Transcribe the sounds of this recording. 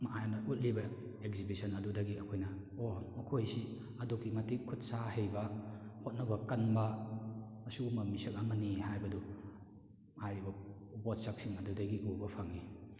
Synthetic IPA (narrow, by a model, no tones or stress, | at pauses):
maʔajanɐʔut̚libɐ | ekzibisɔnɐdudɐɡiɐkʰojnɐ | omɐkʰojsi | ɐdokimatikʰut̚saɦejbahot̚nɐbɐkɐnba | ɐsuumɐmisɐk̚amɐnihajbɐdu | majɾibɐ | bɔt̚sak̚siŋɐdudaɡiʔubɐpʰaŋi